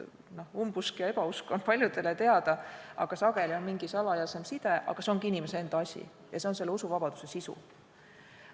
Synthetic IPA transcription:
no̞humbuskjɑe̞b̥ɑuskonpɑlʲjud̪̥e̞let̪e̞ɑd̪ɑɑɡ̥ɑsɑɡ̥e̞lʲio̞nmiŋɡ̥isɑlɑjɑse̞msid̪̥e̞ʔɑ̰ɡ̥ɑseo̞ŋɡiinimeseend̪̥ɑɑsʲḭ | jɑse̞o̞nse̞lːusuvɑb̥ɑd̪̥use̞sisṵ

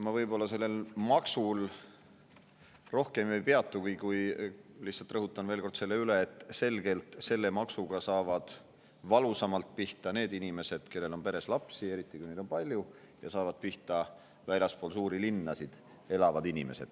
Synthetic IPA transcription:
mɑvɤjbo̞lːɑse̞lːe̞lmɑksul | ro̞hke̞mvejpe̞ɑt̪ˑːukujkujlihtsːɑlt̪rɤɦut̪ˑːɑnve̞ːlko̞rd̪se̞lːe̞yle̞ːt̪ːˑse̞lɡe̞lt̪se̞lːe̞mɑksuɡ̥ɑsɑːvɑd̪̥ | vɑlusɑmɑlt̪̚piht̪ɑne̞ːd̪inime̞se̞d̪̥ke̞lːe̞lo̞npe̞ɾe̞slɑpsie̞ɾit̪ˑːikujne̞jd̪opɑlʲju | jɑ̰sɑːvɑd̪̥̚piht̪ɑ | vælʲjɑspoːlsuːɾilinːɑsid̪̥ | e̞lɑvɑd̪̥inime̞se̞̰d̪̥

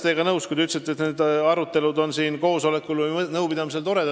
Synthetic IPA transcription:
t̪eɡ̥ɑnɤwskujd̪yt̪set̪ːˑet̪neːd̪ɑɾut̪ːˑe̞lud̪o̞nsiːnko̞ːso̞le̞kːˑulvɨjnɤwpid̪̥ɑmise̞lt̪o̞ɾe̞d̪ɑ

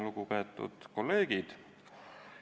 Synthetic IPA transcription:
luɡukɑt̪ːˑṵd̪̥ko̞lːe̞ːɡ̥id̪̥

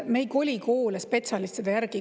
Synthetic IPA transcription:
mejko̞lʲiko̞ːlespe̞t̪sɑlist̪ed̪̥ɑjærɡ̥i

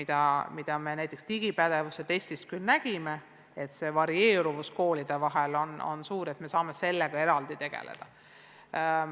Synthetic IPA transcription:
id̪̥ɑmid̪̥ɑme̞næjt̪ːˑekst̪iɡ̥ipæd̪e̞vused̪e̞ːsʲt̪ist̪̚kylnæɡ̥ime̞ | et̪se̞ːvɑɾie̞ːɾuvusko̞ːlid̪̥e̞vɑɦelo̞no̞̰nsuːɾet̪me̞sɑːme̞se̞lːeɡ̥ɑe̞ɾɑld̪̥it̪e̞ɡ̥ḛlḛd̪̥ɑ

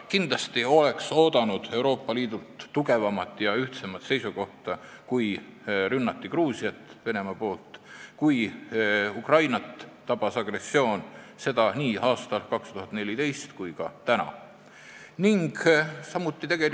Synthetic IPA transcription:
kind̪̥lɑst̪io̞le̞kso̞ːd̪̥ɑnud̪̥e̞wɾo̞ːpːˑɑliːd̪ult̪ːuɡe̞vɑmɑt̪ːˑjɑyht̪semɑt̪se̞jsuko̞ht̪ɑkujɾynːɑt̪ːikruːsiɑt̪ːˑve̞ne̞mɑpo̞ːlt̪ˑkuj | ukrɑjnɑt̪ː | ɑb̥ɑsɑɡ̥re̞sːio̞ːnse̞d̪̥ɑniːɑːst̪ɑlkɑkst̪uɦɑt̪ne̞lʲit̪e̞jst̪kujkɑt̪ænɑ̰ | niŋɡsɑmːut̪ːˑit̪e̞ɡ̥e̞l

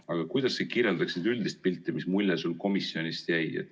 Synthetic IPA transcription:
ɑɡ̥ɑkujd̪̥ɑsːekiɾjeld̪ɑksid̪yld̪ist̪̚pilt̪ːˑimismulʲːesulko̞misːio̞nʲist̪jæjḛ

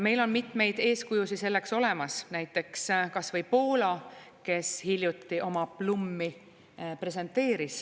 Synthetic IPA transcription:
me̞jlo̞nmit̪ˑme̞jd̪̥e̞ːskujusise̞lːe̞kso̞le̞mɑsnæjt̪ːˑe̞kskɑsvɤjpo̞ːlɑke̞shilʲjut̪ːiʔo̞mɑplumːi | pre̞s̬e̞nt̪ːˑe̞ːɾis

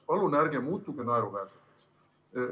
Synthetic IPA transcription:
pɑlːunærɡemuːt̪ːˑukenɑeɾuvæs

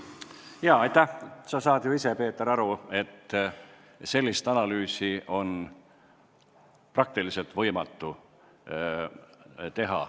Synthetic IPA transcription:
jɑːɑjt̪ːæhsɑsɑːd̪̥juisepe̞ːt̪ːeɾɑɾue̞t̪ː | se̞lʲːist̪ɑnɑlyːsiʔo̞n | prɑk̚t̪ilise̞lt̪vɤ̞jmɑt̪ːu | t̪e̞ɦɑ̰

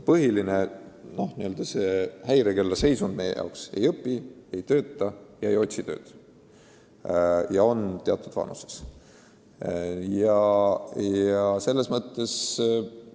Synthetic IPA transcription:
pɤɦiline̞no̞hniøld̪̥ɑsehæjɾekelːɑse̞jsund̥̪me̞jḛjɑ̰wkse̞jɤpːˑie̞jt̪ø̞ːt̪ːˑɑjɑe̞jo̞t̪ʲsit̪ø̞̰ːd̪̥ | jɑo̞nt̪eɑt̪ːˑud̥̪vɑ̰nuse̞̥s | jɑ | jɑse̞lːe̞smɤt̪ˑːe̞s

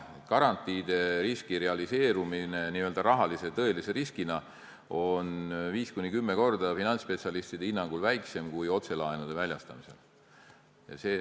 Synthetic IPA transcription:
kɑɾɑnt̪ːˑiːd̪̥e̞ɾiskire̞ɑlise̞ːɾumine̞niøld̪̥ɑɾɑɦɑlise̞t̪ɤ̞e̞lise̞ɾiskinɑ | o̞nviːskunʲːikymːe̞ko̞rd̪ɑfinɑnt̪spe̞t̪siɑlist̪id̪einːɑŋɡ̥ulvæjkse̞mkujo̞t̪se̞lɑenud̪̥e̞vælʲjɑst̪ɑ̰mise̞̰l | jɑ̰se̞ː

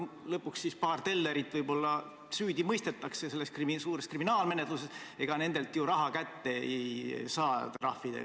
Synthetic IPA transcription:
lɤpːˑuksːispɑːrt̪e̞lːe̞ɾit̪ːˑvɤjbo̞lːɑ | syːd̪̥ʲimɤjst̪e̞t̪ːˑɑkse̞se̞lːe̞skrimsuːɾeskriminɑːlme̞net̪luse̞se̞ɡ̥ɑne̞nd̪̥e̞lt̪ˑjuɾɑɦɑkæt̪ːe̞ejsɑːt̪rɑhfːid̪̥ḛ

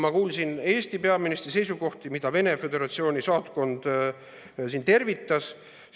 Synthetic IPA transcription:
mɑkuːlsine̞ːsʲt̪ipe̞ɑminist̪ris̬e̞jsuɡo̞ht̪imid̪̥ɑve̞ne̞fe̞d̪e̞ɾɑt̪sio̞ːnʲisɑːt̪ko̞nd̪̥ | sint̪e̞rvit̪ːˑɑs

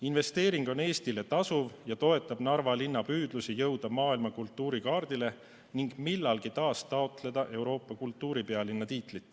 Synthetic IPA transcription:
inve̞st̪e̞ːɾiŋɡ̥o̞ne̞ːst̪ile̞t̪ɑsuvjɑt̪o̞e̞t̪ːˑɑb̥nɑrvɑlinːɑpyːd̪̥lusijɤwd̪̥ɑmɑːilmɑkult̪ːˑuːɾikɑːrd̪ile̞ | niŋɡ̥milːɑlɡit̪ɑːst̪ɑo̞t̪le̞d̪̥ɑʔe̞wɾo̞ːpːɑkult̪ːˑuːɾipe̞ɑlinːɑt̪iːt̪lit̪ːˑ

